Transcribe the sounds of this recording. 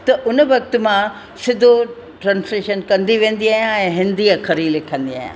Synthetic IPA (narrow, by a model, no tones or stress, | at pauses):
t̪ɐʔʊnəʋɐkt̪ʊ̆mã | sɪd̪ʱo | ʈɾãːnsleʃənkɐ̃nd̪iʋẽːn̆d̪iaːɦjãɛ̃ːɦɪ̃nd̪iakʰɐɾilɪkʰə̃nd̪ia̰ːɦjã̰ː